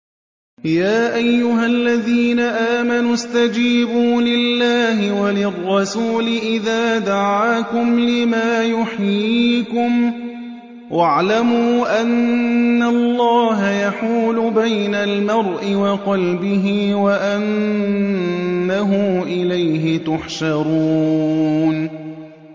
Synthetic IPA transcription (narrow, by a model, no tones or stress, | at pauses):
jaːʔajːʊɦalːaðiːnaʔaːmanʊst̪ad͡ʒiːbuːlɪlːaːɦɪwalɪrˤːɑsuːlɪʔɪðaːd̪aʕaːkʊmlɪmaːjʊħjjiːkʊm | wʔaʕlamuːʔanːalːɑːɦajaħuːlʊbajnalmɑɾˤʔɪwɑqɑlbɪɦɪwaʔan | aɦʊmʔɪlajɦɪt̪ʊħʃɑɾˤuː | n